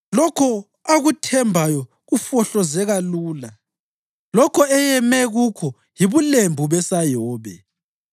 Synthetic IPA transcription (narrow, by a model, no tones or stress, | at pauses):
lɔkʰɔ | aɣutʰɛmbʱajɔ | ɣufɔɬɔzɛɣaluːla | lɔkʰɔɛjɛmɛɣukʰɔ | jiβulembʱuβɛsajɔːβɛ̰